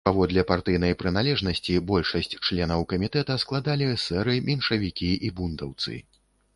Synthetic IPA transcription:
pavɔd̪lʲɛpart̪ɨjn̪ɐjpɾɨnalʲɛʐnɐsʲt͡sʲibɔlʲʂɐsʲt͡sʲt͡ʂlʲɛnɐwkɐmʲit̪ɛt̪ɐsklˠad̪alʲisɛɾɨmʲinʂɐvʲikʲiʔibund̪ɐwt̪sɨ̰

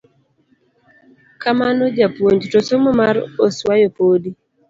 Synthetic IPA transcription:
kamanod͡ʒapwoɲd͡ʒtosomɔmaɾoswajopodi

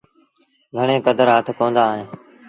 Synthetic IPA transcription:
ɡʱəɳ̃ẽːkəd̪əɾɦət̪ʰkoːnd̪aːɦẽː

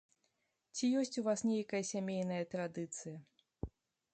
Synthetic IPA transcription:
t͡sʲijɔsʲt͡sʲuvasnʲejɐkɐjɐsʲamʲejnɐjɐt̪ɾad̪ɨt̪sɨjɐ

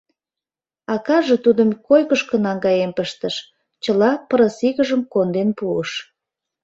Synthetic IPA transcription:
ɑkɑʒĕt̪ud̪əmkojkəʃkə̆nɑŋɡɑjempəʃt̪əʃ | t͡ɕəlɑpəɾəsiɣəʒəmkond̪enpuəʃ

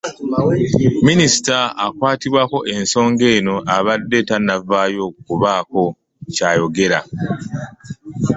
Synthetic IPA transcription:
minisi̥taːkwaːtiβwaːko̞ʔe̞nso̞ːŋɡe̞ːno̞ʔaβadːe̞tanavaːjo̞kuβaːko̞ | caːjo̞ɡe̞ɾa

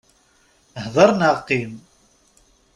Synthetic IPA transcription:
hðˤəɾˤnaqːim

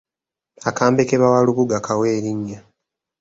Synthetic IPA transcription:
akaːmbekeβawaluβuɡakaweːɾiɲːa

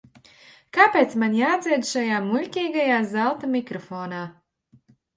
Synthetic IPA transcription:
kapʲeːt̪smanjaːd̪zʲiɛd̪ʃajaːmulʲkʲiːɡajaːzalˠt̪amʲikɾɔfɔːnaː

